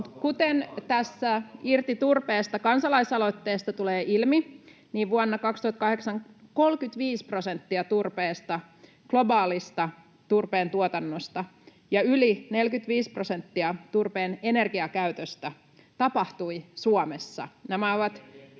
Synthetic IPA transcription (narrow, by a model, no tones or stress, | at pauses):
mut̪kut̪ent̪æsːæirt̪it̪urpeːst̪ɑkɑnsɑlɑisɑlot̪ːeːst̪ɑt̪uleːʔilmi | niːʋʋuonːɑkɑkst̪uhɑt̪kɑheksɑŋko̞lkyt̪ʋiːsprosent̪ːiɑt̪urpeːst̪ɑ | ɡ̥lo̞bɑːlist̪ɑ | t̪urpeːnt̪uot̪ɑnːost̪ɑ | jɑyline̞lkyt̪ʋiːsprosent̪ːiɑt̪urpeːne̞ne̞rɡiɑkæyt̪øst̪æ | t̪ɑpɑht̪uisuomesːɑ̰næmæoʋɑt̪